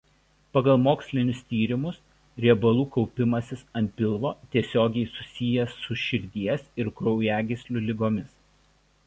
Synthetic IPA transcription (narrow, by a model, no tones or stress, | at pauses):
pɐɡɐlˠmoːksʲlʲɪnʲʊst̪ʲiːɾʲɪmʊs | ɾʲɛbɐlˠuːkɔʊpʲɪmɐsʲɪsɐnʲt̪̚ʲpʲɪlˠʋoːt̪ʲiɛsʲoːɡʲɛɪsʊsʲɪjɛsʊʃʲɪɾʲd̪ʲiɛsɪɾkɾɔʊjæːɡʲɪsʲlʲʊlʲɪɡoːmʲɪs